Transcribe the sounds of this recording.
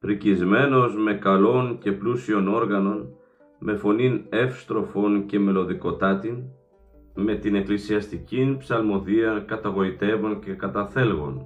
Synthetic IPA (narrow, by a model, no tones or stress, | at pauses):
fɾicizme̞no̞zme̞kɐlo̞nce̞plusio̞no̞ɾɣɐno̞n | me̞fo̞nine̞fst̪ɾo̞fo̞nce̞me̞lo̞ðiko̞t̪ɐt̪in | me̞t̪ine̞klisiɐst̪icinpsɐlmo̞ðiɐkɐt̪ɐɣo̞it̪e̞vonce̞kɐt̪ɐθe̞lɣo̞̰n